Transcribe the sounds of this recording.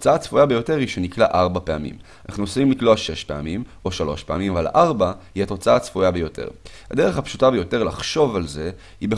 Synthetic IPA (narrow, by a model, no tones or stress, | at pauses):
t͡saat͡sfujabejo̞te̞ʁhiʃeniklaʔaʁbapeamḭm | ana̰χnuosfimlikloaʃe̞ʃpe̞amimo̞ʃalo̞ʃpea̰mimavala̰ʔaʁbahiato̞t͡saat͡sfujabe̞jo̞tʰḛʁ | ha̰de̞eχhapʃutabejo̞te̞ʁlaχʃo̞valze̞ | ibe